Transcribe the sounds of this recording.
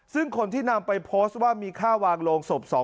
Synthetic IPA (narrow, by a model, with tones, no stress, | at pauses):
sɯ˥˩ŋkʰo˧nt̪ʰiː˥˩na˧mpa˧jpʰoː˦˥st̪̚waː˥˩miː˧kʰaː˥˩waː˧ŋloː˧ŋso˨˩p̚sɔː˩˦